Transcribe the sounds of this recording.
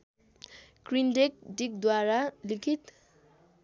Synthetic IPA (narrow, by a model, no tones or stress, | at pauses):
krinɖek̚ɖik̚d̪waɾalikʰit̪